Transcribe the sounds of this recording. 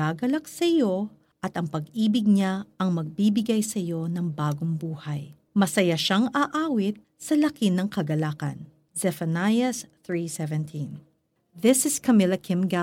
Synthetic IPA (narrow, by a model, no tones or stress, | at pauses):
aɡɐlɐk̚sɐɪjo̞ | ʔɐt̪ɐŋpɐɡʔiːbɪɡ̚ɲaɐŋmɐɡ̚bibɪɡajsɐjo̞nɐŋbaːɡoŋbuːhɐj | mɐsɐjaʃaŋaʔaːwɪt̪̚ | sɐlɐkinɐŋkɐɡɐlaːkɐ̰n | zɛfɐnajɐsθɹisɛvɛ̃nt̪ʰĩn | ðɪsɪskɐmɪlɐkʰɪmɡa